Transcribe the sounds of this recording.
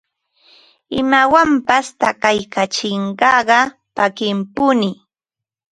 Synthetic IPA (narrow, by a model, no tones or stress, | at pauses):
ɪmawampast̪akajkat͡ʃɪɴɢɑɢɑ | pakɪmpʊnɪ